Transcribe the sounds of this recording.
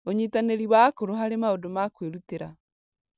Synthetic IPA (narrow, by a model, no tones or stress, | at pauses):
oɲitaneɾiβwakoɾoɦaɾemaodomakweɾuteɾa̰